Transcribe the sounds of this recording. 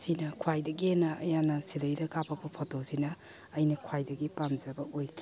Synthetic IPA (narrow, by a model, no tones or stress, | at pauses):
sinɐkʰwajdɐɡienɐɐ̰janːɐsidɐjdɐkapʰɐpɐpʰotosinɐː | jnɐkʰwajdɐɡipamd͡ʒɐbɐojkʰi